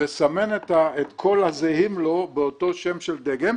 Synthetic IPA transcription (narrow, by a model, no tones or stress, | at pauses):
esamenet̪aet̪kʰo̞lhazehimlo̞beoto̞ʃemʃeld̪eɡem